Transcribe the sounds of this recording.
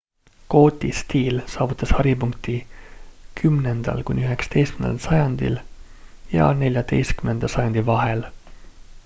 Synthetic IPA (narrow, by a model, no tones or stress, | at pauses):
ko̞ːt̪ʲˑist̪iːlsɑːvut̪ːˑɑshɑɾipuŋkt̪i | kʰymne̞nd̪̥ɑ̰lkṵnʲiyɦe̞ksɑ̥t̪e̞jst̪̚mnḛlsɑjɑnd̪̥ḭl | jɑ̰ne̞lʲjɑd̪e̞jst̪̚kymnend̪̥ɑsɑjɑnd̪ivɑɦel